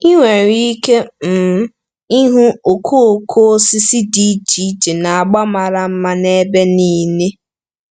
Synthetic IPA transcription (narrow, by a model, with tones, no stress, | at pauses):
i˦ŋʷe˨ɾi˦ke˦m̩˨˦ | i˦ɦu˦o˨kʰo˦o˨kʰo˦si˦si˦di˦d͡ʒi˦d͡ʒe˨na˨a˨ɡ͡ba˦ma˨ɾa˨m̩˦ma˦ne˦be˦ni˦ne˦